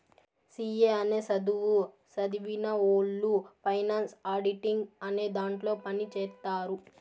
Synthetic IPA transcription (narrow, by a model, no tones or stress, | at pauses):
siːeːɐneːsɐd̪uʋu | sɐd̪iʋinɐoːɭːupʰɐjnaːnsaːɾɖiʈiŋɡɐne̞ːd̪aːɳʈlo̞ːpɐnit͡ʃɛːt̪ːaːɾu